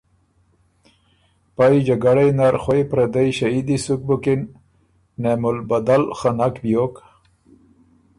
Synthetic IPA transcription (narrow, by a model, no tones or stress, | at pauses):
pajd͡ʒaɡaɽajnaɾxojpɾad̪ajɕaid̪isuk̚bukinː | emulbad̪alχanakbjok